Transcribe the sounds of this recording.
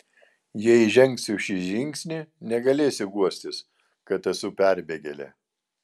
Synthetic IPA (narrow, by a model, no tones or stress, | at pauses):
jɛʒʲɛŋʲksʲɪʃʲiʒʲɪŋʲksʲnʲiˑnʲɛɡɐlʲeːsʲɪɡuɔsʲt̪ʲɪs | kɐt̪ɐsʊpʲæˑɾʲbʲeːɡʲɛlʲɛ̰